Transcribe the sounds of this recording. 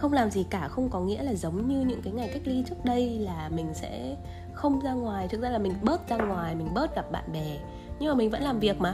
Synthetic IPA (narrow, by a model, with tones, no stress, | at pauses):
xə˧wŋ͡mlaː˨˩mzi˨˩kaː˧˩xə˧wŋ͡mkɔ˨˦ŋḭ˧˥əlaː˨˩zə˨˦wŋ͡mɲɨ˧ɲɨ̰˧˥ŋkaː˨˦jŋa˨˩jka˦˥jk̚li˧t͡ɕɨ˦˥ək̚ɗə˧jlaː˨˩mï˨˩ŋ̟sɛ̰˧˥ | xə˧wŋ͡mzaː˧ŋwaː˨˩jt̪ʰɨ˨˩k̚zaː˧laː˨˩mï˨˩ŋ̟ɓəː˦˥t̚zaː˧ŋwaː˨˩jmï˨˩ŋ̟ɓəː˦˥t̚ɣa˨˩p̚ɓa̰ː˧˨nɓɛ˨˩ | ɲɨ˧ŋmaː˨˩mi˨˩ŋ̟və̰˧˥nlaː˨˩mvi˨˩ək̚maː˨˩